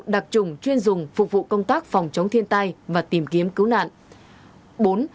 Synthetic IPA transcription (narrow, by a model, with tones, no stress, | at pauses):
ɗa˨˩k̚t͡ɕʊ˨˩ŋ͡mt͡ɕwi˧ənzʊ˨˩ŋ͡mfʊ˨˩k͡p̚vṵ˧˨kə˧wŋ͡mt̪aː˦˥k̚fɔ˨˩wŋ͡mt͡ɕə˨˦wŋ͡mt̪ʰi˧ənt̪a˧jvaː˨˩t̪i˨˩mki˨˦əmkɨ˨˦wna̰ː˧˨n | ɓo˨˦n